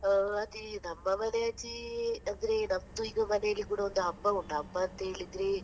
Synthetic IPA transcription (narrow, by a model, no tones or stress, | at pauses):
ɐt̪inɐmːɐmɐneɐt͡ʃiɐnd̪ɐɾenɐmd̪uiɡɐmɐnejɐlːikuːɽɐond̪uɐbːɐuɳɖɐɐbːɐːnt̪ɐeɭid̪ɾe